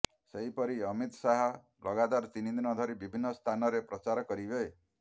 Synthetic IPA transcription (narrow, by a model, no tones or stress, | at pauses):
seɦipɔɾiɔmit̪ɔsaɦɔ | lʔɔɡat̪aɾt̪inid̪inɔd̪ʱɔɾibibʱinːɔst̪ʰanɔɾepɾɔt͡ʃaɾɔkɔɾibe